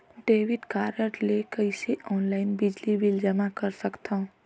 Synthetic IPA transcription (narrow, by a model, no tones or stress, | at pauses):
ɖeːʋiʈkaːɾjəʈlekəɪseʔɔːnlaɪnbid͡ʒlibild͡ʒəmakəɾsəkt̪ʰã